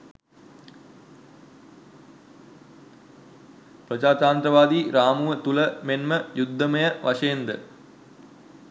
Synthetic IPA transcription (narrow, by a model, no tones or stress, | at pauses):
prəd͡ʒaːt̪aːnt̪ɾəʋaːd̪iːɾaːmuʋət̪uləmenməjud̪ːəməjəʋaʂəjend̪ə